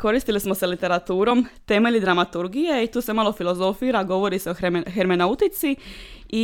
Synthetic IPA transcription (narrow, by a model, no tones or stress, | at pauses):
ko̞ɾist̪ilismoselit̪e̞ɾat̪uːɾo̞mt̪e̞me̞ʎid̪ɾamat̪uɾɡijeit̪uːse̞maːlo̞filˠo̞zo̞fiːɾaɡo̞ʋo̞ɾiseoxeɾmenaut̪it̪sii